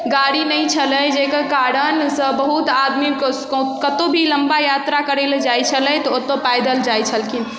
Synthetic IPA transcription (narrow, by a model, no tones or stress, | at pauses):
ɡaɽinəjt͡ʃʰələd͡ʒekəkaɾənsə̃bəɦut̪ad̪mikkkət̪obʱiləmbajat̪ɾakəɾeld͡ʒajt͡ʃʰələt̪ɔot̪ːopajd̪əld͡ʒajt͡ʃʰəlkʰin